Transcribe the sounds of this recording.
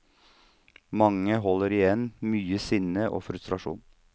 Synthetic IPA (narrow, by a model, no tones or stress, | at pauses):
mɑŋəɦɔləɾɪjɛnmyːəsɪnəʔo̰ːfɾʉst̪ɾɑʃṵːn